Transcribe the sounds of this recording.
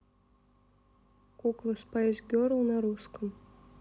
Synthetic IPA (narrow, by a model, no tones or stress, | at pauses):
kuklˠəspajezʲɡʲoɾəlˠnaɾuskəm